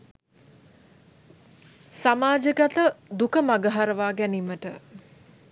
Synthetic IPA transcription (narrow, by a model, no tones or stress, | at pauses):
samaːd͡ʒəɡat̪əd̪ukəmaɡəɦaɾəʋaːɡæniməʈə